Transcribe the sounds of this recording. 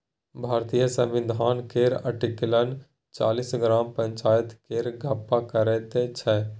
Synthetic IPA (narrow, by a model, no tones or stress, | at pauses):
bʱaːɾt̪ijəsə̃mʋɪd̪ʱaːnkeɾə̰ʈiklən | t͡ʃa̰ːlisɡɾaːmpə̃ɲt͡ʃaːjət̪keːɾɡʱɐpːakəɾɛt̪et͡ʃʰɛ